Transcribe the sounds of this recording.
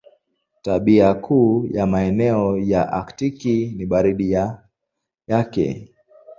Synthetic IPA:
taɓiakʰuːjamaɛnɛɔjaʔa̰ktikiniɓaɾiɗija | jakɛ̰

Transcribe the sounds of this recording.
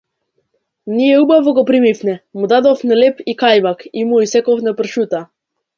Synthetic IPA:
nijɛubavɔɡɔpɾimifnɛmud̪ad̪ɔfnɛlɛpikajmakimuisɛkɔfnɛpr̩ʃut̪a

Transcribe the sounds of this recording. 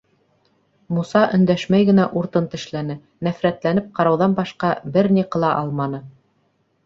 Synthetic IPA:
musɑʔɵ̆nd̪æʃmæjɡɘ̆næʔuɾt̪ɤnt̪ɘ̆ʃlænɘ | næfɾæt̪lænɘp̚qɑɾɑwðɑnbɑʃqɑbɘɾniqɤ̆lˠɑʔɑlˠmɑnɤ

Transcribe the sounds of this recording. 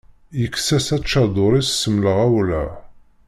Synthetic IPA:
jəkːsæsæt͡ʃːɑd̪ˤʊɾˤissəmləʁæwlæ̰

